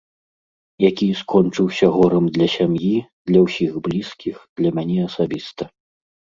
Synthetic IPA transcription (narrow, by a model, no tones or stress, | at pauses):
jakʲiskɔnt͡ʂɨwsʲɐɣɔɾɐmd̪lʲɐsʲamjid̪lʲɐwsʲixblʲiskʲixd̪̥lʲɐmʲanʲɛɐsabʲist̪ɐ